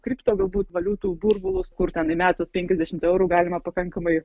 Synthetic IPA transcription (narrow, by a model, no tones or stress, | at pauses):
kɾʲipt̪oːɡɐlˠbuːt̪ʋɐlʲuːt̪uːburbʊlˠʊskʊrt̪ʲɛnɪmʲæːt̪ospʲɛŋʲkʲɛzʲd̪ʲæʃʲɪmt̪ɛʊɾuːɡɑːlʲɪmɐpɐkɐŋkɐmɐɪ